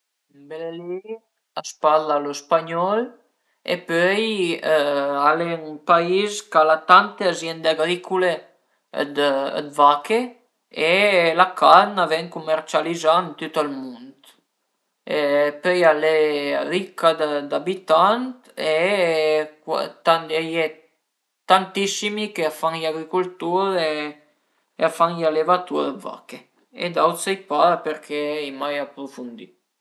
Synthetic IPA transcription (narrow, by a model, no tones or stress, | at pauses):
mbeleli | aspalalospaɲɔl | ḛpøj | alenpaizkalat̪ant̪eazjɛnd̪eaɡɾikʰulḛ | d̪ə̰d̪vake | elakʰanavɛŋkumɛɾt͡ʃalizant̪yt̪almund̪ | epœjaleaɾikːad̪ad̪abit̪ant̪e | kwa̰t̪and̪ɛje | t̪ant̪isimikeafaŋjaɡɾikult̪uɾe | eafaŋjalevat̪uɾəva̰ke | ḛd̪awt̪sejpaɾpeɾkʰɛɛjmajapɾufund̪i